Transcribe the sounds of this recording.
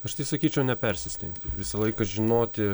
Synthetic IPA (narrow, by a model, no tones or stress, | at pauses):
ɐʃt̪ɐɪsɐkʲiːt͡ʃʲɛʊnʲɛpʲɛɾʲsʲɪsʲt̪ʲɛ̰nʲt̪ʲɪ̰ʋʲɪsɐlˠɐɪkɐʒʲɪnoːt̪ʲɪ